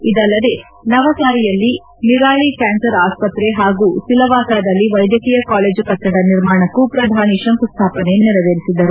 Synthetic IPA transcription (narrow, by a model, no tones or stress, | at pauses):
id̪ɐlːɐd̪e̞ | nɐʋɐsaːɾijɐlːi | niɾaːɭikaːnsɐɾaːspɐt̪ɾeɦaːɡuːsilɐʋaːsaːd̪ɐlːiʋɐjd̪jɐkiːjɐkaːle̞ːd͡ʒkɐt̪ːɐɽɐniɾmaːɳɐkːupɾɐd̪ʱaːniʃɐŋkust̪ʰaːpɐneniɾɐʋeːɾisid̪ɐɾu